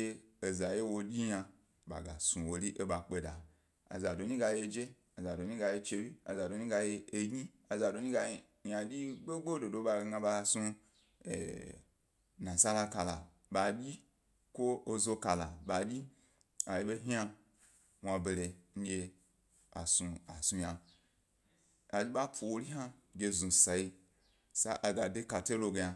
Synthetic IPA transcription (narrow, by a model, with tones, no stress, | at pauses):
e˧e˨za˨je˦wo˧dʲi˦ɲã˧ | ba̰˨ɡa˨sũ˧wo˧li˦ʔe˦ɓa˨k͡pe˧da˨ | a̰˨za˨do˨ɲĩ˦ɡa˧je˧d͡ʒe˦ | a˨za˨do˨ɲĩ˦ɡa˧je˧t͡ʃe˧wi˦a̰˨za˨do˨˦ɲĩ˦ɡa˧je˧e˧ɡɲi˦ | a˨za˨do˨ɲĩ˦ɡa˧ | ja˧dʲi˦ɡ͡be˦ɡ͡bo˦do˨do˧˦ɓa˧ɡa˧ba˧su˧ | ḛ˨ | nã˨sa˦la˧ka˧la˨ | ɓa˨bʲi˦ | ko˦o˧zo˧ka˨la̰˨ba˨bʲi˦ | a˨ji˨˦be˦ɦĩ˦a˧ | wʷa˧be˨ɾe˨n̩˦ɡʲe˧ | a̰˨su˧a˨su˧ja˧ | a˨d͡ʒʲi˦ɓa˦pʰo˨wo˧ɾi˦ɦa˦ | ɡʲe˧zũ˨sa˨i˧ | sa̰˦ʔa˧ɡa˨de˦ka˨te˦lo˧ɡe˧ja˧